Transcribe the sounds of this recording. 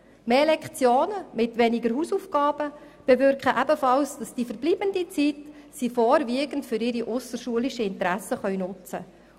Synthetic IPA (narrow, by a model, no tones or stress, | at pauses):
meːlɛkχt͡sjoːnəmɪtʋɛnɪɡəɾhuːsufɡ̥ɑːb̥ə | b̥ɛvʏɾkχəʔæbəfɑlsd̥ɑsd̥ifəɾbliːb̥əndit͡sit | sifɔːɾviəɡəntfʏɾɪɾiʔʊsəʃuəlɪʃəɪntɾæsəχœɥnʊt͡sə̰